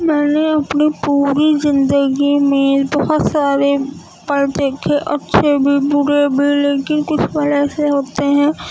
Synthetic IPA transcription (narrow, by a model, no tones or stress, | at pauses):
mɛːneɐpnipuːɾizɪ̃nd̪əɡimẽbɔɦʊt̪saːɾe | pɐɾt̪eːkʰeʔɐtːʃʰebʱibʊɾebʱileːkɪnkʊt͡ʃʰbəlɛːseɦoːt̪eɦɛ̃ː